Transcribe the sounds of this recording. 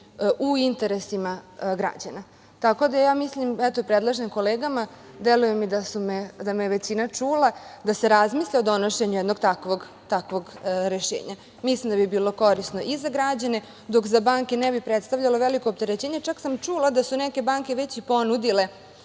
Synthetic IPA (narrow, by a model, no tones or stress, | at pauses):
uint̪eɾesimaɡɾa̰d͡ʑana | t̪ako̞d̪ajaːmislimɛt̪opɾed̪lˠaʒnimko̞leːɡama | d̪elujemid̪asumed̪ameeʋet͡ɕinat͡ʂuːlad̪ase̞ɾazmiːsʎʲaod̪o̞noʃeɲujɛd̪no̞ɡt̪akʋoɡ | t̪akʋo̞ɡɾeʃḛːɲa | mislimd̪abibiːlˠo̞ko̞ɾisno̞ʔizaɡɾad͡ʑane̞ | d̪o̞kzabaːŋkenɛbipɾet̪st̪avʎaloʋelikop̚t̪e̞ɾet͡ɕeːɲet͡ʃaksamt͡ʂulˠad̪asunɛke̞baːŋke̞ʋet͡ɕipo̞nud̪ile̞